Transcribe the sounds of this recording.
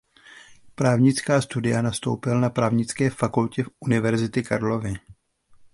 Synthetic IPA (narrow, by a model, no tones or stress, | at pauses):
pɾaːvɲɪt͡skaːst̪udɪjanast̪owpɪlnapɾaːvɲɪt͡skɛːfakulcɛfʔunɪvɛɾzɪt̪ɪkaɾlo̞vɪ